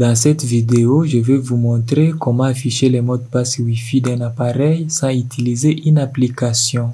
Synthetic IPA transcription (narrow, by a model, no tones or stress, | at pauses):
d̪ɑ̃sɛt̪vid̪eoʒəvɛvumɔ̃t̪χekɔmɑ̃afiʃelɛmɔd̪̚paswifid̪ɛ̃napaʁɛjsɑ̃yt̪ilizeʔynaplikasjɔ̃